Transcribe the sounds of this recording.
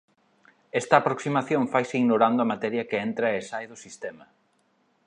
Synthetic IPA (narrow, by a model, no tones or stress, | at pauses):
ɛst̪ɐːpɾoksimaθjõŋfajsɪiɣnoɾand̪ʊɐmat̪ɛɾjɐkɪent̪ɾɐesajðʊsist̪ɛmɐ